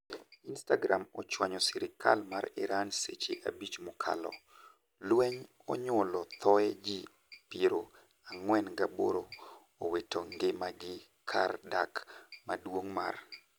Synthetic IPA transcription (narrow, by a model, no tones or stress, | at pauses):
instaɡɾamɔt͡ʃwaɲɔsɪɾɪkʰa̰lmaɾɪɾansḛt͡ʃeʔa̰bit͡ʃmʊkʰa̰lɔ̰ | lwɛɲ | ɔ̰ɲʊlɔt̪ʰɔɛd͡ʒi | piɾo | aŋwɛnɡabo̰ɾo | owetʰoŋɡemaɡɪ | kʰa̰rda̰kmadwoŋma̰r